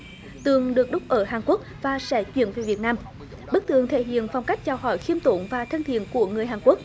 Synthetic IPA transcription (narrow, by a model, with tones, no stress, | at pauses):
t̪ɨ˨˩əŋɗɨ˨˩ək̚ɗʊ˦˥k͡p̚ʔəː˧˩ɦaː˨˩ŋku˦˥k̚vaː˨˩sɛ̰˧˥t͡ɕwḭ˧˨˥ənve˨˩vi˨˩ət̚naː˧m | ɓɨ˦˥k̚t̪ɨ̰˧˨əŋt̪ʰḛ˧˩ɦḭ˧˨ənfa˨˧wŋ͡mka˦˥jk̟̚t͡ɕaː˧˩whɔ˧˩˦jxi˧əmt̪u˧˩ŋvaː˨˩t̪ʰə˧nhḭ˧˨ənku˧˩əŋɨ˨˩əjɦaː˨˩ŋku˦˥ək̚